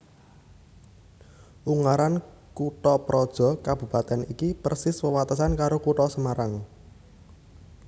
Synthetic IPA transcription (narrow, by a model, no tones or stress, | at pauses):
ʔuŋaɾan | kuʈɔpɾɔd̥ʒ̥ɔ̤kab̥ṳpat̪ɛnikipərsɪswəwat̪əsankaɾokuʈɔsəmaɾaŋ